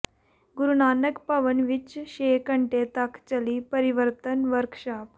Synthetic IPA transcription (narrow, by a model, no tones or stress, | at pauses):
ɡuɾunanəkpaʋənʋit͡ɕɕekəɳʈet̪akʰt͡ɕəliːpəɾiʋəɾt̪ənʋəɾkʂap